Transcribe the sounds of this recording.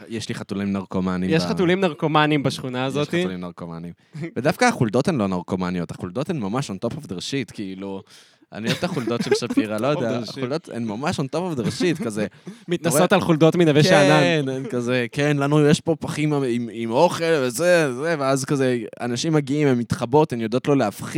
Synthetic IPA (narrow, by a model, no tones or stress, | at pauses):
jeʃliχat̪ulimnaʁkomanimjeʃχatulimnaʁkomanimbaʃχunaːzotaitulimnaʁkoma̰nim | ved̪afkaːχuld̪o̞tenlo̞naʁkomanio̞t̪haχuld̪ot̪enmamaʃont̪opafd̪eʁʃit̪kiilu | a̰niot̪aχuld̪o̞tʃelʃafiʁalojodeaχuld̪o̞t̪ḛnmamaʃont̪opafd̪eʁʃit̪kazemit̪nasot̪alχuld̪otminavekʃananenkazekenlanujeʃpo̞paχimimimo̞χe̞lvezezeveazkazea̰naʃimaɡiimemit̪χabo̞t̪enjod̪ot̪lo̞leafχi